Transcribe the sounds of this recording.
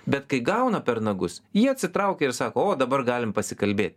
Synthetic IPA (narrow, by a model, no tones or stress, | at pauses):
bʲɛt̪kɐɪɡɐʊnɐpʲɛɾnɐɡʊsjiːɐt̪ʲsʲɪt̪ɾɐʊkʲɛɪɾsɑːkoːoːd̪ɐbɐɾɡɑːlʲɪmpɐsʲɪkɐlʲbʲeːt̪ʲ